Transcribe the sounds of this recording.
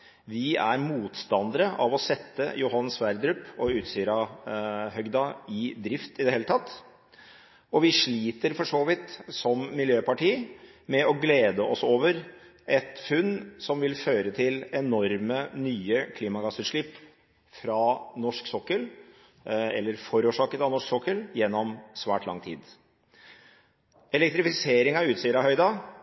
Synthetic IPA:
ʋɪæ̰ɾmuːt̪st̪ɑnd̪əɾəʔɑʋɔsɛt̪ːə̰jʊɦɑnːsʋæɾd̪ɾʉpːɔʉːt̪syːɾɑ | hœɡd̪ɑɪd̪ɾɪft̪ɪd̪ɛheːlət̪ʰɑt̪ː | ɔʋɪʂɭiːt̪əɾfɔʂoːʋɪt̪sɔmːɪljøːpɑʈiːmɛɔɡleːd̪əʔɔsoːʋəɾ | ʔɛt̪fʉnːsɔmʋɪlføːɾət̪ʰɪlɛnɔɾmənyːəkʰliːmɑɡɑsʉːt̪ʂɭɪpː | fɾɑnɔʂksɔkːəl | ɛ̰lːəɾfɔɾuːʂɑːkət̪ɑʋnɔʂksɔkːəljɛnːɔmsʋæ̰ːʈʰlɑ̰ŋt̪ʰḭːd̪ | ɛlɛk̚t̪ɾɪfɪseːɾɪŋɑʉːt̪siːəɾɑhœʏd̪ɑ

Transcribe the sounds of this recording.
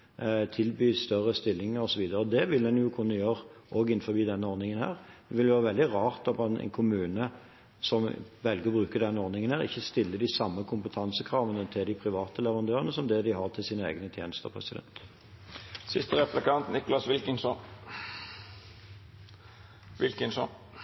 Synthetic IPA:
t̪ʰɪlbyːst̪œʁəst̪ɪlːɪŋəʁɔsɔʋiːd̪əʁəɔd̪ɛʋɪld̪ɛnjʊkʰʊnːəjøːʁʔoːɡɪnfɔbiːd̪ɛnːəɔʁnɪŋənhæ̰ːʁʋɪljʋøːʁəʋɛld̪ɪʁɑːʁt̪ɑpɑnɛ̰ɪnkʰʊmʉːnə | sɔmʋɛlɡəʁbʁʉːkəd̪ɛnːəɔʁnɪŋənhæːʁɪ̰çːəst̪ɪlːəd̪ɪsɑmːəkʰʊmpət̪ʰɑnsəkʰʁɑːʋənət̪ʰɪld̪ɪpʰʁɪʋɑːt̪əlɛʋʁɑnd̪øːʁənəsɔmd̪ɛd̪ɪɦɑʁt̪ʰɪlsiːnəḛːɡənət̪ʰjḛːnəst̪ə̰ʁpʰʁɛ̰sɪd̪ɛ̰nt̪ | sɪst̪əɾɛplɪkʰɑnt̪nɪkʊlɑsʋɪlkənsɔ | ʋɪlkənsɔn

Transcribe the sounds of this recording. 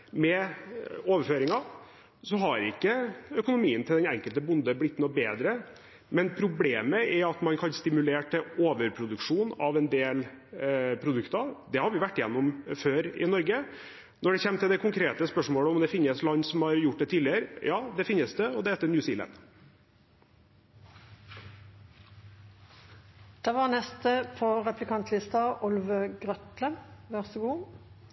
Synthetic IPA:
mɛ | oːʋəɾføːɾɪŋɑ | sɔɦɑɾɪ̰kːəœkʊnʊmiːənt̪ʰɪld̪ɛnɛ̰ŋkəlt̪əbʊnd̪əblɪt̪ːnɔbeːd̪ɾə | mɛnpʰɾʊbleːməʔɛɾɑt̪mɑnkʰɑnst̪ɪmʉleːʈʰɪoːʋəɾpʰɾʊd̪ʉkʂuːnɑʋɛnd̪eːl | pʰɾʊd̪ʉkt̪ɑd̪ɛhɑɾʋɪʋæʈːɪjɛnːɔmføːɾɪ̰nɔɾɡə | nɔɖɛçɛmːt̪ʰɪld̪ɛkʊŋkʰɾeːt̪əspœʂmoːɽəɔmd̪ɛfɪnːəslɑnːsɔmhɑɾjʊʈ̚ːd̪ɛt̪ʰiːlɪəɾjɑːd̪ɛfɪnːəsd̪ɛɔd̪ɛɛːt̪ːənjʉːsiːlɛ̰n | d̪̥ɛʋɑnɛst̪əpʰɔʁɛplɪkʰɑnt̪ʰlɪst̪ɑʔʊlʋəɡʁœt̪ləʋæʁsəɡuː

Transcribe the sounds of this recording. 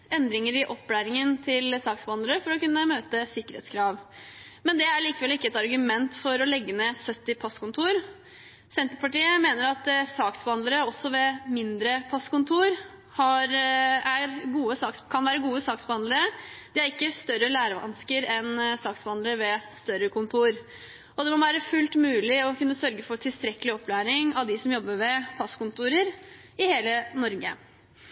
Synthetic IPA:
ɛnd̪ɾɪŋəɾɪʔɔpːlæːɾɪŋənt̪ʰɪlsɑːksbəɑnd̪əɾəfɔɾɔkʉnːəmøːt̪əsɪkːəɾɛ̰ːt̪skʰɾɑːʋ | mɛnd̪ɛæɭiːkəʋɛlɪkːəɛt̪ɑɾɡʉmɛnt̪fɔɾɔlɛɡːənɛsœt̪ːɪpʰɑskʊnt̪ʰuːɾ | sɛnt̪əpɑʈiːəmeːnəɾɑt̪sɑːksb̥əhɑnd̪əɾəɔsːɔʋɛmɪnd̪ɾəpʰɑskʊnt̪ʰuːɾ | hɑɾæɾɡuːəsɑːkskʰɑnʋæːɾəɡuːəsɑːksb̥əhɑnd̪ləɾəd̪̥ɪæɾɪkːəst̪œɾəlæːɾəʋɑ̰nskəɾɛnsɑːksbhɑnd̪əɾəʋɛst̪œɾəkʊnt̪ʰuːɾ | ɔd̪ɛmɔʋæːɾəfʉlt̪mʉːlɪɔkʉnːəsœɾɡəfɔɾʈʰɪlst̪ɾɛkːəlɪɔpːlæːɾɪŋɑʋd̪ɪsɔmjɔbːəɾʋɛpʰɑskʊnt̪uːɾəɾ | ɪheːlənɔɾɡə̰

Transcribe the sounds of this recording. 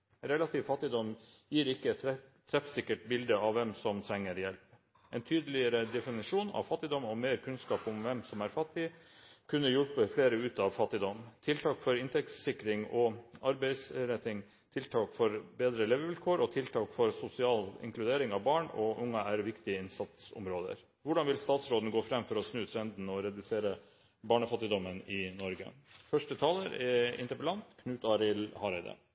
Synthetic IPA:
ɾɛlɑt̪ʰiːʋfɑt̪ːɪd̪ɔm | jiːɾɪkːəɛt̪t̪ʰːɾɛfsɪkːəʈbɪld̪əɑʋʋɛmsɔmt̪ʰɾɛŋːəɾjɛlp | ɛnt̪ʰyːd̪əlɪəɾəd̪ɛfɪnɪʂuːnɑ̰ʋfɑt̪ːɪd̪ɔmɔmeːɾkʰʉnskɑːpʊmʋɛmsɔmæɾfɑt̪ːɪkʰʉnːəɾjʊlpəfleːɾəʉːt̪ɑʋfɑt̪ːɪd̪ɔmt̪ʰɪlt̪ʰɑːkfɔɾɪnt̪ʰɛkssɪkːɾɪŋɔɑɾbæɪsɾɛt̪ːɪŋ | t̪ʰɪlt̪ʰɑːkfɔɾbeːd̪ɾəleːʋəʋɪlkʰoːɾɔt̪ʰɪlt̪ʰɑːkfɔɾsʊsɪɑːlɪ̰ŋkʰlʉd̪eːɾɪŋɑʋbɑːɳɔ̰ʔʊŋːɑæɾʋɪkt̪ɪəɪnsɑt̪sɔ̰mɾoːd̪ə̰ɾ | ʋʊɖɑnʋɪlst̪ɑːt̪sɾoːd̪n̩ɡoːfɾɛmːfɔɾɔsnʉːt̪ʰɾɛnd̪n̩ɔɾɛd̪ʉseːɾə | bɑːɳəfɑt̪ːɪd̪ɔmːənɪnɔɾɡə̰fœʂʈət̪ʰɑːləɾɛɪnt̪əɾpəlɑnt̪kʰnʉːt̪ɑːɾɪlhɑːɾɛd̪ḛ

